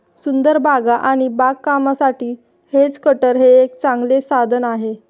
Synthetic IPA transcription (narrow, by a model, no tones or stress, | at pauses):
sund̪əɾbʱaɡaʔaɽ̃ibakːamasaʈiː | het͡skəʈəɾɦeːkt͡sãŋɡlesad̪ʱənaɦe